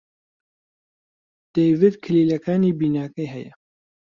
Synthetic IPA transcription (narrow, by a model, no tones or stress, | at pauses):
d̪̥ejvid̪kʰɨliːlɐkaːniːbiːnaːkɐjɦɛjɛ